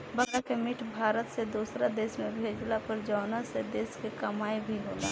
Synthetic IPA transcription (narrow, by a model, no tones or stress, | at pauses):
bəkakemɪʈʰbʱaːɾət̪sed̪uːsɾad̪eːsmẽbʱeːd͡ʒlapəɾd͡ʒɔːnased̪eːskekɐmaːibʱiɦoːla̰ː